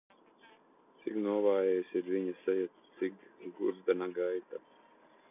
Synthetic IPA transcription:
t̪sḭknuɔvaːjɛjsiɾvʲiɲasɛja | t̪sikɡuɾd̪anaɡajt̪a

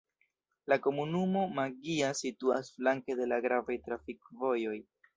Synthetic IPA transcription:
lako̞munumo̞maɡiasitua̰sflaŋke̞de̞laɡɾavajtɾafikvo̞jo̞j

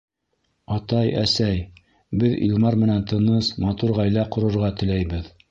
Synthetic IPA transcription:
ɑt̪ɑjæ̰sæj | bɘðḭlˠmɑɾmɘ̆nænt̪ɤ̆nɤsmɑt̪uɾʁæjlæqŏɾŏɾʁɑt̪ɘ̆læjbɘð

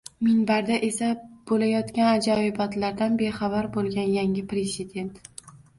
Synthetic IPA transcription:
mɪŋbaɾd̪aʔe̞sab̥olajɒt̪kʲanad͡ʒaɪbat̪laɾd̪anbeχabaɾbolˠɡʲanjaŋɪpɾezɪd̪ʲe̞nt̪

